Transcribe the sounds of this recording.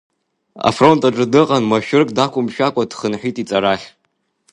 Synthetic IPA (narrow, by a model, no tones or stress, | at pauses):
a̰fro̞ntʼaʈ͡ʂʼɨdɨqʼanmaʃᶣʊrkʼdakʷʰʼʊmʃᶣakʷʼadχənħʷᶣitʼit͡sʼaɾaχʲ